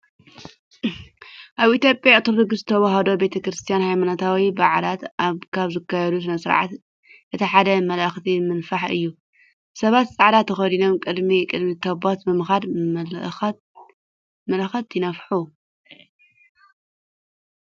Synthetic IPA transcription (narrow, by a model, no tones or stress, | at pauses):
ʔaβit̪ʰjo̞pʼjajat̪ʰɨɾɨɡɨsɨt̪ʰɐβaɦɐd̪o̞be̞t̪ʰɐkɾɨst̪ʰijanhajmanat̪ʰawibaʕlat̪ʔaβkʰaβzɨkʰːajɛd̪us̬ɨnɐsɨɾʕa̰t̪ | ʔɨt̪ʰiħad̪ɐmɐlɐxt̪ʰimɨnfaħɨ̰jːu | sɐβat̪t͡sʼaʕd̪at̪ʰːɐxɐd̪ino̞mkʼɨd̪mikʼɨd̪mit̪ʰɐbot̪bɨmɨxad̪ | mɐlɐxɐt̪jɪnɐfħu